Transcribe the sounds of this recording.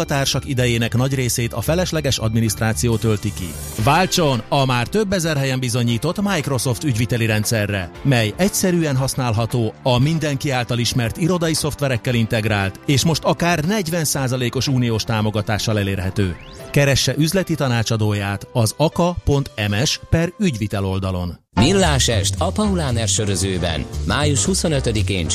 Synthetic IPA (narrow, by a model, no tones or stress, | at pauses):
ɒt̪aːrʃɒkid̪ɛjeːnɛknɒɟreːseːt̪ɒfɛlɛʃlɛɡɛʃɒ̰d̪minist̪raːt̪sijoːt̪ølt̪ikḭ | vaːlt͡ʃo̞nɒmaːrt̪ø̞bːɛzɛrɦɛjɛmbizo̞ɲiːt̪o̞t̪ːmajkro̞so̞ft̪yɟʋit̪ɛliɾɛnt̪sɛrːɛmɛjɛcsɛɾyːɛnɦɒsnaːlɦɒt̪oːɒmind̪ɛŋkiaːlt̪ɒliʃmɛrt̪iɾo̞d̪ɒjiso̞ft̪ʋɛɾɛkːɛlint̪ɛɡɾaːlt̪eːʃmo̞ʃt̪ɒkaːrnɛɟʋɛnsaːzɒleːko̞ʃuːnijoːʃt̪aːmo̞ɡɒt̪aːʃːɒlɛleːrɦɛt̪øː | kɛɾɛʃːɛʔyzlɛt̪it̪ɒnaːt͡ʃɒd̪oːjaːt̪ɒzɒkɒpo̞nt̪ɛmɛʃpɛryɟʋit̪ɛlo̞ld̪ɒlo̞̰n | milːaːʃɛʃt̪ɒpɒulaːnɛrʃøɾøzøːbɛ̰nmaːjuʃhuso̞nøt̪ød̪ikeːn